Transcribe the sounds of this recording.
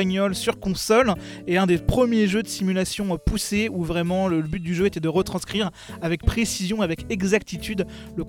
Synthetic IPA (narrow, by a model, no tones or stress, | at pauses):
ɲɔlsyʁkɔ̃sɔl | eɛ̃d̪epχəmjeʒød̪əsimylasjɔ̃puseuvʁɛmɑ̃lələbyt̪̚d̪yʒøet̪ɛd̪əʁət̪χɑ̃skχiʁ | avɛk̚pχesizjɔ̃avɛkɛɡzak̚t̪it̪yd̪ | lək